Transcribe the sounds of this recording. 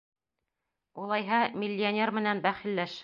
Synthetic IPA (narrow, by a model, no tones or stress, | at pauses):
ulˠɑjɦɑmʲilʲːɪonʲermɘ̆nænbæχɘ̆lːæʃ